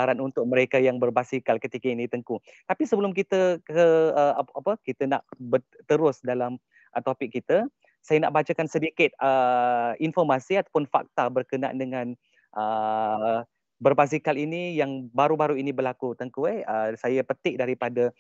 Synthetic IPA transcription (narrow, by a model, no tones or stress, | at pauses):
aɾanunt̪ʊk̚mə̃ɾekajaŋbərbasikalkət̪ikainĩt̪əŋkut̪apisəbəlʊmk̬it̪əkəəaapəkit̪əna̰ʔbət̪əɾʊsdalam | ʔət̪opɪk̚ːit̪ə | sajana̰ʔbat͡ʃakansədikɪt̪̚əinfɔrmasiat̪apʊnfa̰k̚t̪abərkənaa̰ndəŋãn | ʔə | bərbas̬ikalinijaŋbaɾubaɾuinibərlakut̪əŋkueəsajapət̪ɪʔ̚daɾipada